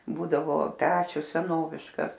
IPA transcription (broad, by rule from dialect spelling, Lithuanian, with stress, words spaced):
ˈbuːdɐʋoː ˈpʲæːt͡ʃʲʊs sʲɛˈnoːʋʲɪʃkɐs